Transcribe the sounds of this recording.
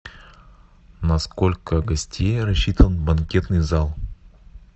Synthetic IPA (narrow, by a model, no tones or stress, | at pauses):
nɐskolʲkəɡɐsʲtʲejɾɐɕːit̪ʰənbɐnkʲet̪nɨjzalˠ